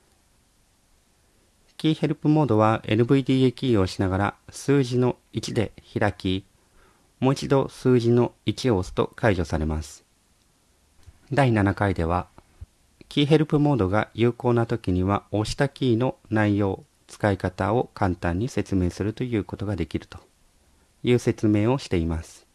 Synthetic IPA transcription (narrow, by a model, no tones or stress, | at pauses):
kʲiːhe̞ɾɯ̟pɯ̟mo̞ːd̪o̞β̞ae̞̰ɾɯ̟bɯ̟id̪ʲiːekʲiːo̞ɕinaɡaɾasɨːʑino̞ | it͡ɕid̪e̞çiɾakʲi | mo̞ːit͡ɕid̪o̞sɨːʑino̞it͡ɕio̞ːsɨ̥t̪o̞̰kaiʑo̞saɾe̞masɨ̥ | d̪ainanakaid̪e̞β̞a | kʲiːɦe̞ɾɯ̟pɯ̟mo̞ːd̪o̞ɡa̰jɯ̟ːko̞ːnat̪o̞kʲiɲ̟iβao̞ːɕi̥t̪akʲiːno̞naijo̞ː | t͡sɨ̥kaikat̪ao̞kãnt̪ãɲ̟ːise̞t͡sɨme̞ːsɨɾɯ̟t̪o̞jɯ̟ːko̞t̪o̞ɡad̪e̞kʲiɾɯ̟̥t̪o̞̥ | jɯ̟ːse̞t͡sɨme̞ːo̞ɕi̥t̪e̞imasɨ̥